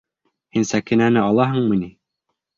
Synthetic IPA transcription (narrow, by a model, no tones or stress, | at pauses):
hinsækinænɘɑlˠɑɦɤ̆ɴmɤ̆ni